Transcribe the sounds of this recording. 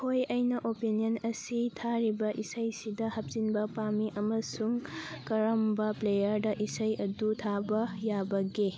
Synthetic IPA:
kʰojɐjnɐʔopiniɐnɐsitʰaɾibɐʔisɐjsidɐhɐp̚z̥inbɐpamiʔɐmɐsuŋkɐɾɐmbɐplejɐɾdɐʔisɐjɐdutʰabɐjabɐɡi

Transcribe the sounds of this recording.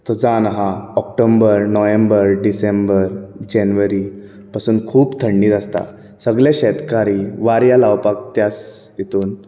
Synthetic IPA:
t̪ɔd͡zanaɦaɔkʈombəɾnɔjembəɾɖisembəɾd͡ʑɛnʋəɾi | pasuːnkʰuːpt̪ʰəɳɖiːt̪ast̪a̰ | səɡljaɕɛt̪kaɾiʋaɾjalawpak̚t̪jasjet̪uːn

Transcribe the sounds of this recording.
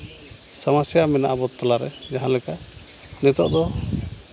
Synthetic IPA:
samasjamɛnaʔabɔt̪ːalaɾɛd͡ʒaɦãlɛka | nɛt̪ɔʔd̪ɔ

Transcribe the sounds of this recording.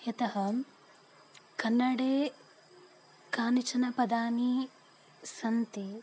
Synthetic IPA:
et̪ɐɦɐ | kɐnːɐɽeː | kaːnit͡ʃɐnɐpɐd̪aːni | sɐnt̪i

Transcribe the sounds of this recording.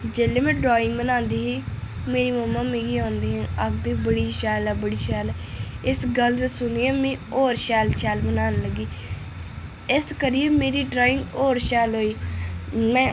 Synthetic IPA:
d͡ʒeːleːmɛ̃ːɖɾaːɪ̃ŋɡbənãːnd̪iːɦiː | meːɾiːməmːaːmẽːɡiːõːnd̪iːɦɛ̃ːəkd̪iːbəɽiːʃɛːlɛːbəɽiːʃɛːlɛː | ɪsɡəld̪əsʊniːɛːmɛ̃ːoːɾʃɛːlt͡ʃʰɛːlbənaːnləɡiː | ɪskəɾijeːmeːɾiːɖɾaːɪ̃ŋɡoːɾʃɛːlɦoːiː | mɛ̃ː

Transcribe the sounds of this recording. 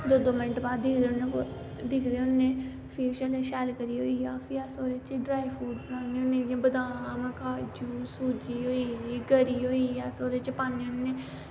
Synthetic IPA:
d̪oːd̪oːmɪnəʈbaːd̪ɪkʰd̪ene | d̪ɪkʰd̪eʊnːẽː | fʰiːʃəlʃɛːlkəɾiːɦoːiːaːfʰiɛːsoːɾeːt͡ʃɖɾaːipʰuːɖbənãːneːʊnːẽːjãːbəd̪ãːmɛ̃kaːd͡ʒuːsuːd͡ʒiːɦoːiiɡəɾiːɦoːiaːsoːɾeːt͡ʃəpaːneːʊnːẽː

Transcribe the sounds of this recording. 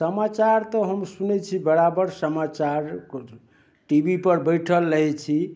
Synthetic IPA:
səmat͡ʃaɾt̪əɦəmsunet͡ʃʰibəɾabəɾsəmat͡ʃaɾk | ʈibipəɾbəjʈʰəlːəɦɛt͡ʃʰi

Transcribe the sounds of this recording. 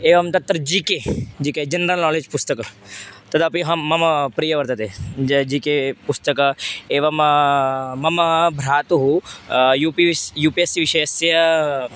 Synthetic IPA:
eːʋɐmt̪ɐt̪ːɾɐd͡ʒiːked͡ʒiːked͡ʒɐnɾɐlnɔːleːd͡ʒpʊst̪ɐkɐt̪ɐd̪apiɦɐːɐmpɾijɐʋɐɾt̪ɐt̪ed͡ʒiːkepust̪ɐkɐeːʋɐm | mɐmbʱɾaːt̪uɦujupijuːpiesiʋɪʃesjɐ

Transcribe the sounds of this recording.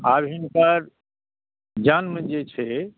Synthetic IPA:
abʱinpəɾ | d͡ʒanmənd͡ʒet͡ʃʰɛ

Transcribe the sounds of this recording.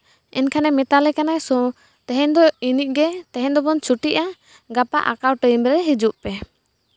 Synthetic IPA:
ɛnkʰanɛmɛt̪alɛkanajsɔ | t̪ɛɦɛ̃nd̪ɔiniʔ̚ˀɡɛt̪ɛɦɛ̃nd̪ɔbɔnt͡ʃʰuʈiʔa | ɡapaʔa̰kawʈəjmɾɛɦid͡ʒuʔpɛ

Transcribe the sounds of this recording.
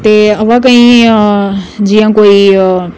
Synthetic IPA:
t̪eɐʋãk̬aĩ | d͡ʒijãkoːi

